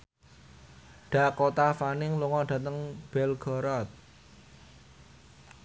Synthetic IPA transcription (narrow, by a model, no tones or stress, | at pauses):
ɖ̥a̤kot̪afanɪŋluŋɔɖ̥ä̤t̪əŋb̥ɛlɡ̥ɔ̤ɾɔt̪̚